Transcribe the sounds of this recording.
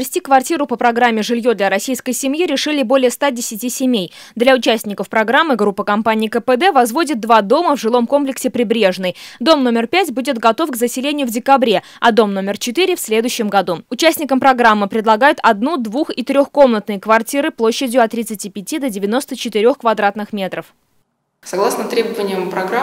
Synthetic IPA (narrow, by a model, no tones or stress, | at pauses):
ɪsʲtʲikvɐrtʲiɾʊpəpɾɐɡɾamʲːɪʐɨlʲjo̞d̪lʲɐɾɐsʲijskəjsʲɪmjiɾʲɪʂɨlʲɪbo̞lʲɪjəst̪adʲɪsʲɪtʲisʲɪmʲej | d̪lʲaʊt͡ɕæsʲnʲɪkəfpɾɐɡɾamːɨɡɾupːəkɐmpanʲɪːkəpəd̪ɛvɐzvo̞dʲɪt̪̚d̪vad̪o̞məvʐɨlˠo̞mko̞mplʲɪksʲɪpɾʲɪbɾʲe̞ʐnɨjd̪o̞mno̞mʲɪrpʲætʲbudʲɪt̪ɡɐt̪o̞fɡzəsʲɪlʲenʲɪjʊvdʲɪkɐbɾʲe̞ | ɐd̪o̞mno̞mʲɪrt͡ɕɪt̪ɨɾʲɪfsʲlʲe̞d̪ʊɕːɪmɡɐd̪uʊt͡ɕæsʲnʲɪkəmpɾɐɡɾamːɨpɾʲɪd̪lˠɐɡajʊt̪ʰɐd̪nud̪vuxit̪ɾʲo̞xko̞mnət̪nɨjəkvɐrtʲiɾɨplˠo̞ɕːɪdʲjʊɐt̪ːɾʲɪt̪sɨtʲipʲɪtʲid̪ədʲɪvʲɪno̞st̪ət͡ɕɪt̪ɪɾʲo̞xkvɐd̪ɾat̪nɨxmʲe̞t̪ɾəf | sɐɡlˠasnət̪ɾʲebəvənʲɪjəmpɾɐɡɾ